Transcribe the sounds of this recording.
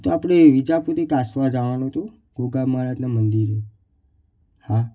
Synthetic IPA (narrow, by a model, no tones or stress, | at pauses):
t̪oapɽeʋid͡ʒaput̪ekasʋad͡ʒaʋanoɦt̪ũ | ɡ̥oɡamaɾad͡ʒnamənd̪iɾo | ha